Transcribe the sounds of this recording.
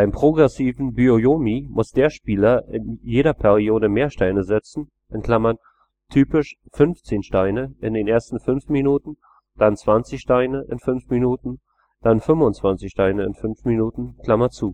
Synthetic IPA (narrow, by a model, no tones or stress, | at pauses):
b̥aɪmpʁ̥oɡʁɛsiːvn̩byojoːmimʊsd̥eːɐʃpiːlɐʔɪnjeːɾɐpʰɛʁioːɾəmeːɐʃtaɪnəzɪt͡sn̩ | ʔɪnkl̥amɐn | tʰyːpɪʃfʏnft͡seːnʃtaɪnəʔɪndeːnʔeːɐstn̩fʏnfminuːtn̩ | d̥ant͡sv̥ant͡sɪçʃtaɪnəʔɪ̰nfʏnfminuːtn̩ | d̥anfʏmvʊnt͡sv̥ant͡sɪçʃtaɪnəɪ̰nfʏnfminuːtn̩kl̥amɐt͡suː